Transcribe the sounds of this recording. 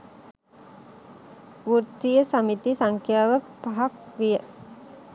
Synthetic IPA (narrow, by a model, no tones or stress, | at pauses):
uɾt̪ijəsamit̪isaŋkʰjaːʋəpaɦak̚ʋijə